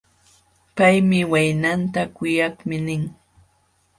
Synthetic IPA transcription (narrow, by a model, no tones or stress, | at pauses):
pajmɪwajnant̪akʊjakmɪnɪŋ